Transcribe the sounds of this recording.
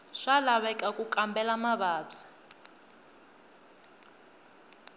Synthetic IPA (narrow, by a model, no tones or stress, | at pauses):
ʂalaβɛkʼakʼukʼambɛlamaβaːb͡ʐʰḁ